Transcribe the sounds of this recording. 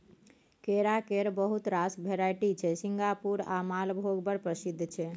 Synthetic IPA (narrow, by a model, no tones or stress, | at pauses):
keɾakeɾbəɦut̪ɾasbʱeɾajʈit͡ʃʰɛsiŋɡapuɾa̰malbʱoɡbəɾpɾəsid̪ʱt͡ʃʰɛ